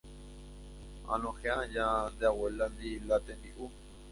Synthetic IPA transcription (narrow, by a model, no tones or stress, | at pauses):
a̰nõxeajand̪eaweland̪ilat̪end̪iʔu